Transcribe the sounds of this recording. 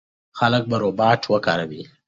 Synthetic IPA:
xalək̚baɾobɑːʈʰwəkaɾawi

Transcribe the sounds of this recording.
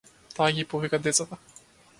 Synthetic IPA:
t̪aːɡʲipovikad̪ɛt̪sat̪a

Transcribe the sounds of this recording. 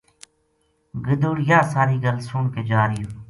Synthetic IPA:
ɡəd̪uːɽjaːsaːɾiːɡəlsʊɳkeːd͡ʒaːɾɪjoː

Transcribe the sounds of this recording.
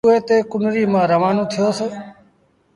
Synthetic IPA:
uːeːt̪eːkʊnɾiːmãːɾəʋaːnõːt̪ʰɪjoːseː

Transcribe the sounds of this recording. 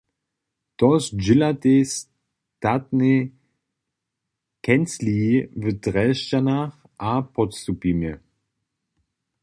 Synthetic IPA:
tɔsd͡ʒɪlates | tatne | kʰɛnt͡sliːvədʁɛʃcanaχ | ʔapʰɔtst̪upimjə

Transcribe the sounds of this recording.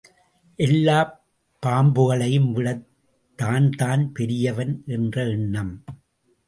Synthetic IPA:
ʔɛlːaː | pːaːmbɯɣɐɭɐjɯmʋɪɭɐ | t̪ːaːnt̪aːnpɛɾɪjɐʋɐnʔɛndrɐɪɳːɐm

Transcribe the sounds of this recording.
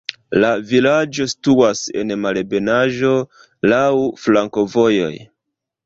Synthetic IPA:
lavilad͡ʒo̞stuase̞̰nmalbe̞naʒo̞ | lawflaŋko̞vo̞jo̞̰j

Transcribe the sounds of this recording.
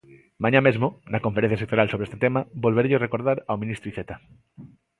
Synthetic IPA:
mãɲãmezmonɐkõɱfeɾẽ̟θjasek̚t̪oɾjalsoβeest̪et̪emabolβeɾeʎorekoɾðaɾawmĩnist̪ɾuiθet̪a

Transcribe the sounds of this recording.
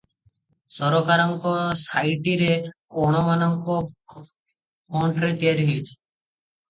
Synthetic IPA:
sɔɾɔkaɾɔŋkɔsajʈiɾe | ɔɽ̃ɔmanɔŋkɔ | mɔɳʈɾet̪ijaɾɦit͡ʃʰ

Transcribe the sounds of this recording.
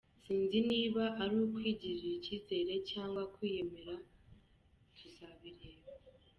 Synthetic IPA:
siːnziniːβaʔaɾukwiːɟiʒicize̞ɾe̞caːŋɡwakwiːje̞me̞ɾa | tʰuzaβiɾeːβo

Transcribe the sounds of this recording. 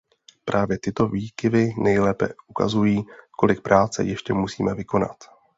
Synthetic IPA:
pɾʔaːvjɛt̪ɪt̪o̞viːkɪvɪnɛjlɛːpɛ̰ʔuka̰zujiːko̞lɪk̚pɾʔaːt͡sɛ̰jɛʃcɛmusiːmɛvɪko̞na̰t̪

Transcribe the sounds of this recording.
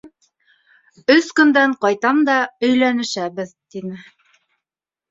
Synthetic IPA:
ɵskɵ̆nd̪æɴqɑjt̪ɑmd̪ɑɵ̆jlænɘ̆ʃæβɘðt̪inɘ

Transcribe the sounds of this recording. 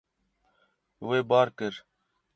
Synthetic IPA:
weːbɑːɾkəɾ

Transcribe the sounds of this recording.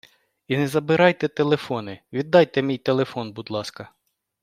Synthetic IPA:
inɛzɐbɪɾɑjt̪ɛt̪elˠefɔnɪʋʲid̪ːɑjt̪ɛmʲijt̪elˠefɔnbud̪lˠɑskɐ

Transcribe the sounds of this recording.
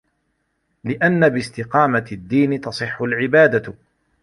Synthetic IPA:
lɪʔanːabɪst̪ɪqɑːmad̪ːiːnɪt̪ɑsˤɨħːʊlʕɪbaːd̪a

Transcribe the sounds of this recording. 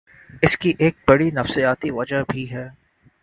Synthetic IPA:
ɪskiʔeːk̚bɐɽinɐfsijaːt̪iʋɐd͡ʒabʱiɦɛː

